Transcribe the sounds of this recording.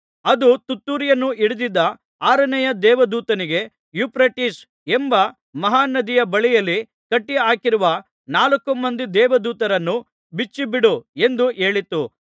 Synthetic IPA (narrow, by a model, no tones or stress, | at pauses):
ɐd̪ut̪ut̪ːuːɾijɐnːuʔiɽud̪id̪ːɐ | aːɾɐnɛjɐd̪ɛːʋɐd̪uːt̪ɐniɡe̞ | jupɾɐʈis | embɐ | mɐɦaːnɐd̪ijɐbɐɭijɐlːi | kɐʈːiaːkiɾuʋɐ | naːlɐkːumːɐnd̪id̪ɛːʋɐd̪uːt̪ɐɾɐnːu | bit͡ʃːibiɽue̞nd̪ue̞ːɭit̪ːu